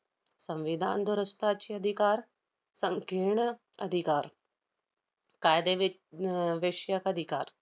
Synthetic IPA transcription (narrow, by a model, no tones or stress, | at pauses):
sə̃mʋid̪ʱa̰ːnd̪ʊɾəst̪aːt͡ʃʰiɐd̪ʱikaːɾ | səŋkiɳ | ɐ̰d̪ʱikaːɾ | kaːjd̪eʋ | ʋeːʃjakəd̪ʱikaːɾ